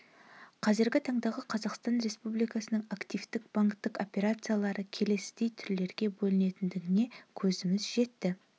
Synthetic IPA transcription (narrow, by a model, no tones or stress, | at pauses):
qʰɑzɪɾɡʲɪt̪ʰɑɴd̪ɑʁəqʰɑzɑqst̪ɑnɾe̞spublijkɑsənəɴakt̪ijft̪ɪk̚b̥aŋkt̪ːəko̞pʲe̞ɾat̪sɨjalˠɑɾəkʲʰe̞le̞st̪ejt̪ʰʏɾle̞ɾɡʲe̞bɵlɪne̞t̪ɪnd̪ɪɡɪne̞kʲʰɵzɪmɪzʒe̞t̪ːɪ